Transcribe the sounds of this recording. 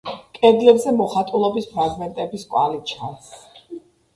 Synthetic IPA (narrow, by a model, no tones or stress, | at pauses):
kʼɛd̪lɛbzɛmɔχat̪ʼulˠɔbispʰɾaɡmɛnt̪ʼɛbiskʼwa̰lit͡ʃʰa̰ns